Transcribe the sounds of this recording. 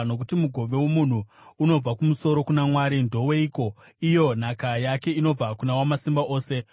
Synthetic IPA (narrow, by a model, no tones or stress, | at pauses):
no̞kutimuɡʱo̞ʋe̞womun̤uːno̞b͡vakumuso̞ɾo̞kunamwaːɾindʱo̞we̞iko̞ | ijo̞n̤akajake̞ino̞b͡vakunawamasimbaʔo̞ːse̞